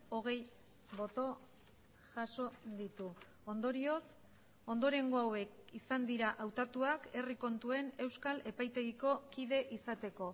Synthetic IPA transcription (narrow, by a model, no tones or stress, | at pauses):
o̞ɣ̞e̞j | bo̞t̪o̞ | ʝaso̞d̪it̪u | o̞nd̪o̞ɾio̞s | o̞nd̪o̞ɾe̞ŋɡoawe̞kisand̪iɾaʔawt̪at̪uake̞riko̞nt̪ue̞ne̞wskale̞pajt̪e̞ɣiko̞kið̞e̞ʔisat̪e̞ko̞